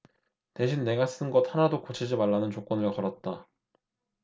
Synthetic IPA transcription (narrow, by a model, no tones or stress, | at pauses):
te̞ɕʰinːe̞ɡas͈ɯnɡʌt̚hanadokot͡ɕʰid͡ʑimaɭːanɯnt͡ɕok͈ʌnɯɭkʌɾʌt̚t͈a